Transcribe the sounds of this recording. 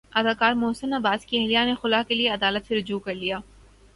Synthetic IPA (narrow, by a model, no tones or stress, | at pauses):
ɐd̪aːkaːɾmʊɦsənɐbaːskiɛɦlijanexʊlaːkelieɐd̪aːlət̪seɾʊd͡ʒuːkɐɾlijaː